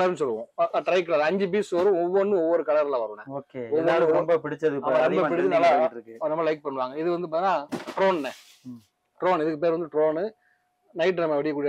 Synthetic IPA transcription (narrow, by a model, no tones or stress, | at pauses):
klɐɾnːɯsɔlːɯʋõːʈɾɐɪkːlalɐɲd͡ʒɯbiːsʋɐɾɯ̃ɔʋːɔnːɯɔʋːɔɾɯkɐɭɐɾlãːʋɐɾɯ̃nɛ̃oːkeɔðɯnaːlɐmbɐpɪɽɪt͡ʃːɐðɯkːɐmaɾɐmbɐpɪɽɪt̪ːɯnɐlːaɾɯkːɯnɐmːɐlɐɪk̚pɐɳːɯʋaːŋɡɐɪðɯʋɐnd̪ɯpaːt̪ɪnːaːʈɾoːnnɛ | ʈɾoːnɪðɯkːɯpeːɾɐnd̪ɯʈɾoːnɯ | nɐɪʈːɾɐmɐʋɐɽɪkːɐk̬ːuːɽɪ